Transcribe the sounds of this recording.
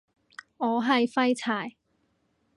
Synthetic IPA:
ŋɔː˨˧ɦɐ˨jfɐ˥jt͡sʰaː˨˩j

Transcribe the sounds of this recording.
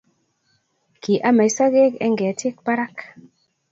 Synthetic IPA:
ki˨ʔa˦ma˨jsa˦ɡe˦kɛ˦ŋɡɛ˨ti˦k̚pa˦ɾa˦k

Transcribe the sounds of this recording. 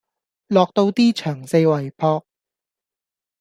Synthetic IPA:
lɔː˨k̚t̪o˧wt̪iː˥t͡ʃʰœː˨˩ŋse˧jwɐ˨˩jpʰɔː˧k̚

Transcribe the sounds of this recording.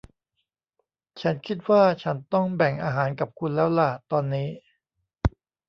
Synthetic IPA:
t͡ɕʰa˦˥nkʰi˦˥t̪̚waː˥˩t͡ɕʰa˦˥nt̪ɔ˥˩ŋbɛ˨˩ŋʔaː˧ɦaː˩˦nka˨˩p̚kʰu˧nlɛː˦˥wla˨˩t̪ɔː˧nːiː˦˥

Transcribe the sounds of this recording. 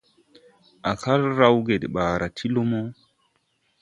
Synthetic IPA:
ʔa˨ka˦ɾɾa˦wɡe˨ɗɓaː˨ɾa˨tʰi˦lo˦mo˦

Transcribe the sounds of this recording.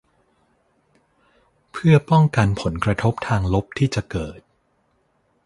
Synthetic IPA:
pʰɯ˥˩ɐpɔ˥˩ŋka˧npʰo˩˦nkɾa˧t̪ʰo˦˥p̚t̪ʰaː˧ŋlo˦˥p̚t̪ʰiː˥˩t͡ɕa˨˩kɤː˨˩t̪̚

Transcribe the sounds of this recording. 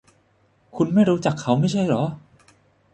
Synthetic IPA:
kʰu˧nma˥˩jɾuː˦˥t͡ɕa˨˩kʰːa˦˥wma˥˩jt͡ɕʰa˥˩jlɔː˩˦˥

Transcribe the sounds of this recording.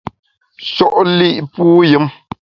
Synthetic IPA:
ʃɔ˦ʔli˦˨ʔpuː˦jɨ˨˦m

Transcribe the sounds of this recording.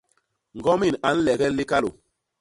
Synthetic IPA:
ŋ̩˨ɡɔ˦mi˦˨na˨˦n̩˦lɛ˨ɡɛ˦le˦ka˦lo̰˨

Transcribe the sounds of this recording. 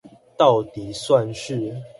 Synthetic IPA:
t̪ɑ˥˨ʊt̪i˨˩swa˥˨nʂɻ̩˥˨

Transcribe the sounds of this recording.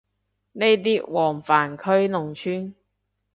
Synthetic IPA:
ne˥jt̪̬iː˥wɔː˨˩ŋfaː˨˩nkʰɵ˥ɥnʊ˨˩ŋt͡ʃʰyː˥n

